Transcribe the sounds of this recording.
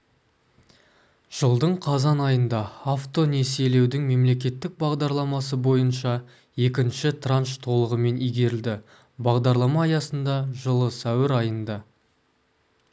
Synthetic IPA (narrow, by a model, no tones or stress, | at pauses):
ʒ̥əlˠd̪əɴqʰɑzɑnɑjənd̪ɑaft̪o̞nese̞le̞wd̪ɪŋme̞mle̞kʲe̞t̪ːɪk̚bɑʁd̪ɑɾlˠɑmɑs̬əbo̞jənʃɑ | e̞kʲɪnʃɪt̪ʰranʃt̪ʰo̞lˠəʁəme̞nijɡʲe̞ɾɪld̪ɪ | bɑʁd̪ɑɾlˠɑmɑːjɑsənd̪ɑʒəlˠəsæwɪɾɑjənd̪ɑ